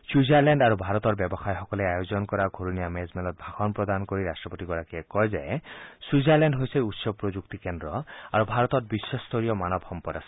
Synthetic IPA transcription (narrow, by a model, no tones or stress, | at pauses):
suzaɾleɳɖaɾubʱaɾɔt̪ɔɹbjɔbɔxajxɔkɔleajozɔnkɔɾaɡʱoɾuniamezmelɔt̪̚bʱaxɔnpɾɔd̪ankɔɾiɾasʈɹɔpot̪iɡɔɾakiekɔjzesuzaɾlenɖɦojsejut̪sɔpɾod͡ʒuk̚t̪ikend̪ɾɔaɾubʱaɾɔt̪ɔt̪̚bisɔst̪ʰoɾijɔmanɔbhɔmpɔdasɔ̥